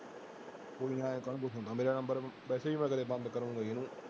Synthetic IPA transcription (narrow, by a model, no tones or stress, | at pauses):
koːiːãːẽːkəɳbʊt̪ʰõːd̪aːmeːɾaːnəmbəɾpɛːseːiːmɛ̃ːkəɾeːbə̃nd̪kəɾũːŋɡaːenũː